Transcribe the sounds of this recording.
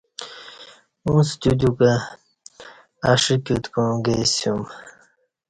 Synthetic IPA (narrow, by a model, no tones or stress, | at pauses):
ũst̪ud̪uka | aʂikut̪kõɡesjum